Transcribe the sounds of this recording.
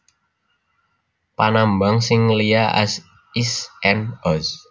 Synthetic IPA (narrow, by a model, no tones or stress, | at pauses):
panambaŋsɪŋlijaʔa̰s | isɛnɔs